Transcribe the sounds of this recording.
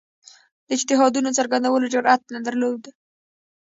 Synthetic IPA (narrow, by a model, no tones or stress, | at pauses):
d̪əɪd͡ʒt̪ɪɦɑd̪unot͡səɾɡand̪awəlod͡ʒʊɾat̪̚nad̪əɾlod̪a